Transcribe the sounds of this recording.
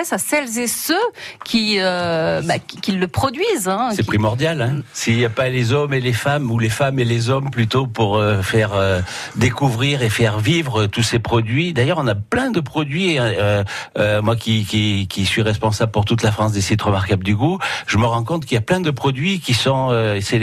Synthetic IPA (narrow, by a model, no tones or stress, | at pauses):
ɛsasɛlzesøkʰʲiøbakkʲilːəpχɔd̪ɥizɛ̃sɛpχimɔʁd̪jalɛ̃siljapalezɔmelefamulefamelezɔmplyt̪opuʁøfɛʁø | d̪ekuvʁiʁefɛʁvivʁət̪usepχɔd̪ɥid̪ajœʁɔ̃naplɛ̃d̪əpχɔd̪ɥieøømwakʲikʲikʲisɥiʁɛspɔ̃sabləpuʁt̪ut̪lafχɑ̃s̬d̪esit̪ʁəmaʁkabld̪yɡuʒ̥əməʁɑ̃kɔ̃t̪kiljaplɛ̃d̪əpχɔd̪ɥikʲisɔ̃øese